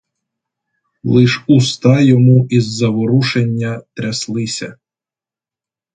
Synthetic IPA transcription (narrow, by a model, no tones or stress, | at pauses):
lˠɪʃust̪ɑjɔmuʔizːɐʋɔɾuʃenʲːɐt̪ɾʲɐslˠɪsʲɐ